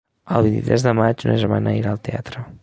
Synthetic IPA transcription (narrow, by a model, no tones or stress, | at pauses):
əlˠβint̪ḭt̪ɾɛzðəmad͡ʒunəʒəma̰nʔəiɾaːlˠt̪ea̰t̪ɾə